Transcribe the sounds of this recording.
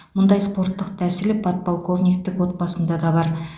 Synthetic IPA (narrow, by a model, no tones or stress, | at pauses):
mʊnd̪ɑjspo̞ɾt̪ːəqd̪ʰæsɪlɪpʰɑt̪̚polˠko̞vnʲijk̚t̪ːɪkwo̞t̪̚bɑsənd̪ɑd̪ɑbɑɾ